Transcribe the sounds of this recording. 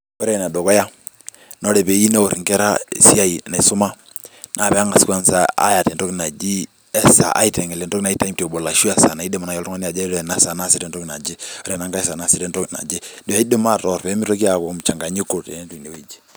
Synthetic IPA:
ɔ˦ɾe˦˨na˨do˨kɔ˦ja˦ | nɔ˦ɾɛ˨pe˨i˦ne˦o˨ɾŋkɛ˦ɾa̰˦si˦a˦i˨na˨sʊ˦ma˦ | nʔa˨˦˨pɛ˨a˦ŋɡa˨ska˦nsa̰ː˦ja˨tɛ˨ntɔ˦ki˦˨na˨d͡ʒi˦ | ɛ˦sa̰˨ʔa̰˦itɛ˨ŋɛ˨lɛ˨ntɔ˦kna˨˦i˦ta˦i˦mte˨bo˨la˨ʃu˦a˦sa˨na˨i˦dɛ˦ma˨na˨jɔ˦ltɔ˦ŋa˦ni˦a˨d͡ʒa˦ɾɛ˨na˦sa˨na˦sɪ˨ɾɛ˨ntɔ˦kna˨d͡ʒe˦ɔ˦ɾɛ˨na˨ŋɡa˦ɛ˦sa˨na˨si˨ɾɛ˦ntɔ˦kna̰˨d͡ʒe˦do˨a˨i˦de˦ma˦tɔ˨ɾpɛ˨˦mi˦ɾo˦ki˦a˨ko˨˦m˨t͡ʃa˨ŋɡa˨ɲi˦ko˨tḛ˨ne˦tu˨i˨ne˨we˨d͡ʒi̥˦

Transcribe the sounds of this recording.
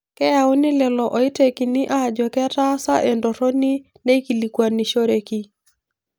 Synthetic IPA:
kɛ˦ja˨u˦nɪ˦lɛ˨lɔ˨ʔɔ˨i˦te˨ki˨ni˦ʔa˦˨d͡ʒɔ˨kɛ˦ta˦sa˦ʔe˨ndo˨ɾo˦ni˦ | ne˦ki˨li˨kwa˨ni˨ʃo˦ɾe˨ki˦

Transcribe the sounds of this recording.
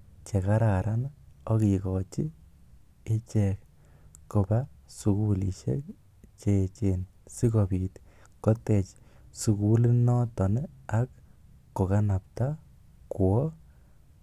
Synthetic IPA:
t͡ʃe˨ka˦ɾaɾanɔ˦kikɔt͡ʃi˦ | e˦t͡ʃek | ko˨basu˨kulḭʃḛ˦k̚ | t͡ʃet͡ʃensi˦kɔpiːt | kɔ˦te˨t͡ʃ | su˨kuli˦nɔ˦tɔ˨neakː | o˨ka˦na˨p̚ta | kwɔ˦

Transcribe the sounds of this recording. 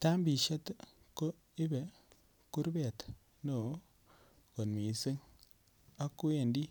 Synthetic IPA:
ta˦mbi˨ʃe˦t | ko˦ | i˦be˨ | ku˦ɾbɛ˨t | no˨ | ko˨nmi˨si˦ŋ | a˦kːu˦e˨ndi˦

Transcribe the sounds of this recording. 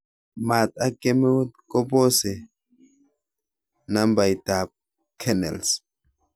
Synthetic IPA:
ma˨t̚a˦kɛ˦mɛ˦wt̚kɔ˦bɔ˦sɛ˨ | na˦mba˨jta˨p̚ | kʰɛ˦nɛ̰˨ls

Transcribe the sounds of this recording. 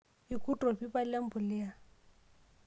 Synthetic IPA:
i˨kʼu˦tʼɔ˨bi˦ba˦la˦m̩˦bʊ˨lɪ˦a˨

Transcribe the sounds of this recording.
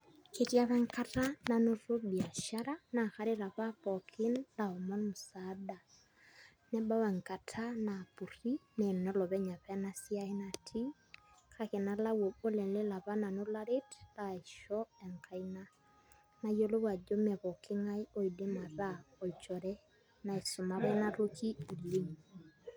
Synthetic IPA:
ke˨tja˦βa˦ŋka˦ta˦na˨no˦ɾo˦bi˨a˨ʃa˦ɾa˦na˨xa˦ɾe˦ɾa˨βa˦βɔ˨kʰi˦nla˨ɔ˨mɔ˦nmu˨sada˨ | nɛ˦ba˦wa˨ŋka˨tʰana˨pu˨ri˦nɛ˨nnɔ˦lɔ˨βɛ˦ɲa˨βɛ˦na˦si˦a˦e˦na˨tʰi˦ | ka˨ke˨na˦la˦wɔ˨bo˦lɛ˨le˦la˨βa˦na˨no˦la˦ɾe˦tla˨e˨ʃɔ˦ɛ˨ŋka˨i˦na˦ | na˨jo˦lo˦wa˨d͡ʒo˦mɛ˨βɔ˨kʰe˦ŋa˦i˦ʔɔ˨i˨de˦ma˨ɾa˦ɔ˨i˨t͡ʃɔ˨ɾɛ˦ | na˨e˨so˨ma˦βɛ˦na˦ɾo˦kʰi˦i˨li˦ŋ

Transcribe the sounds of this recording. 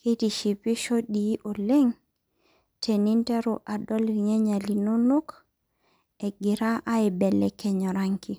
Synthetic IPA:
ke˦ti˨ʃi˨pɪ˦ʃo˦di˨˦ʔo˨le˦ŋ | tʰe˨ni˦ntɛ˦ɾʊ˦ʔa˨dɔ˦li˨ŋɛ˦ɲa˨li˨no˦no˦k | ɛ˨ɡɪ˨ɾa˦ʔa˦ɪ˨bɛ˨lɛ˨kɛ˦ɲɔ˨ɾa˦ŋki˦

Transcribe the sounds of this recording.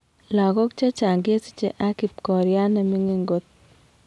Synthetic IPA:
la˨ɡɔ˦k̚t͡ʃe˦t͡ʃa˨ŋɡe˦si̥˦t͡ʃe˦˨ʔa˦ki˨p̚kɔ˨ɾja˦nɛ˨mi˦ŋe˦ŋɡo˦t̪̚

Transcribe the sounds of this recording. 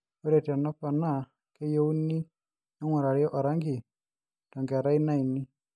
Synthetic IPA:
o˦ɾɛ˨ta˨nɔ˦pa˨na˦˨ | ke˦jo˦u˦ni˦ | ɔ˦ŋwa˨ɾa˨ɾjɔ˦ʔa˨ɾa˦ŋɡi˨ | ta˨ŋɡa˨ɾa˦i˦na˦i˨ni˦

